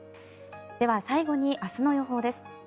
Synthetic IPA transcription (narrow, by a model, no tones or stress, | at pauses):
d̪̥e̞βasaiɡo̞ɲ̟iʔasɨno̞jo̞ɦo̞ːd̪e̞sɨ̥